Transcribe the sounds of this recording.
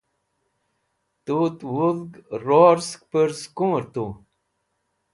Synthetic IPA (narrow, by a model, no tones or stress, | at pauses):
t̪ut̪wuðɡɾoɾsk̚pəɾskuːɾt̪u